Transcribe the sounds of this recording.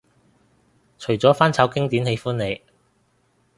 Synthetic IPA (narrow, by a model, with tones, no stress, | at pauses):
t͡ʃʰɵ˨˩t͡sɔː˨˥faː˥nt͡sʰaː˨˥wkɪ˥ŋt̪iː˨˥nɦe˨˧˥jfuː˥nne˨˧j